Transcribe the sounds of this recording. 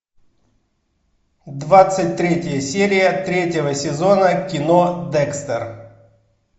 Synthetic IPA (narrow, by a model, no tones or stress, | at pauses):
d̪vat̪sɨt̚ʲt̪ɾʲetʲɪjəsʲeɾʲɪjət̪ɾʲetʲɪvəsʲɪzo̞nəkʲɪnod̪ɛkst̪ər